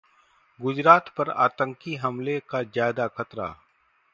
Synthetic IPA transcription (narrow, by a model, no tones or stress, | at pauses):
ɡʊd͡ʒɾaːt̪pɐɾa̰ːt̪ə̃ŋkiɦɐmlekazjaːd̪akɐt̪ɾa̰ː